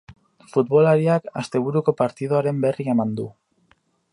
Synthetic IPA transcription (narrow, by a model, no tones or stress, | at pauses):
fut̪βo̞laɾiakast̪e̞βuɾuko̞paɾt̪iðoaɾe̞mbe̞riemand̪u